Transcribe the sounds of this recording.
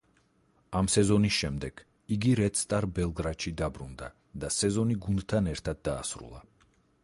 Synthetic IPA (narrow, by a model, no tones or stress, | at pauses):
amsɛzɔnisʃɛmd̪ɛɡ̥ | iɡiɾɛt̪st̪ʼaɾbɛlˠɡɾaʃid̪abɾṵnd̪a̰ | d̪asɛzɔniɡund̪t̪ʰanɛɾt̪ʰad̪ːa̰ːsɾṵlˠa̰